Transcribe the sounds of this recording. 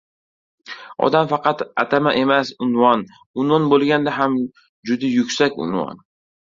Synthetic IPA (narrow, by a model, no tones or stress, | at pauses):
ɒ̰d̪amfɑqɑt̪at̪ʰamaʔe̞masʊnvɒn | ʊnvɒnbolˠɡʲand̪aɦam | d͡ʒʊd̪ajʊkʲsakʲʊ̰nvɒ̰n